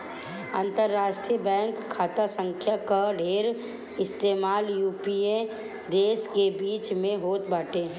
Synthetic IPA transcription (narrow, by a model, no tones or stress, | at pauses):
ə̰̃nt̪əɾːaːʃʈɾiəbɛ̃ːŋkʰːaːt̪asə̃ŋkʰjakaɖʱeːɾ | ɪst̪eːmaːljuːpiẽ | d̪eːskebiːt͡ʃmẽɦoːt̪baːʈe